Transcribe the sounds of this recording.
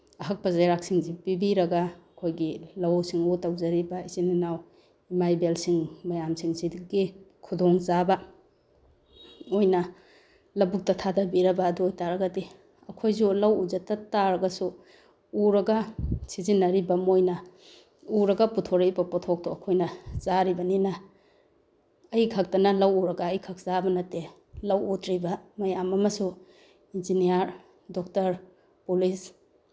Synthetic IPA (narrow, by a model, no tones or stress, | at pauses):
ɐɦɐk̚pɐzajɾak̚siŋzipibiɾɐɡaːkʰojɡilɐwsiŋutawzɐɾibɐizininaw | imajbelsiŋmɐjamsiŋsiɡikʰudoŋzabɐ | ojnɐ | lɐbuk̚tɐtʰadɐbiɾɐbɐːduːjtaɾɐɡɐdi | ɐkʰojzulɐwuzɐtɐtaɾɐɡɐsu | uɾɐɡɐsizinːɐɾibɐmojnɐ | uɾɐɡɐputʰoɾɐibɐpɔtʰok̚tɔɐkʰojnɐzaɾibɐninɐ | jkʰɐk̚tɐnɐlɐwuɾɐɡɐːjkʰɐk̚z̥abɐnɐte | lɐwutɾibɐmɐjamɐmɐsu | inzinijaɾ | dɔk̚tɐɾ | pulis